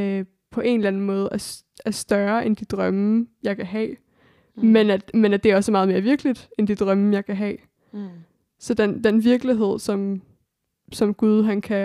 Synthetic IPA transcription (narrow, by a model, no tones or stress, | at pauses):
pʰɒ̽ʔe̝nlænn̩mɔ̽ːð̞̩ˠæɐs | æɐsd̥ɶɐʔe̝nd̥id̥ʁɶmjɑ̈ɪkʰæɦɛ̰ː | menæ̥menæd̥e̝æɐɒ̽səmɑ̈ːð̩ˠme̝ɐʋiɐɡ̥lid̥end̥id̥ʁɶmjɑ̈ɪkʰæɦɛ̰ː | sɒ̽d̥end̥enʋiɐɡ̥liɦe̝ð̞̰ˠsɒ̽m | sɒ̽mɡ̥uð̞ˠɦænkʰæ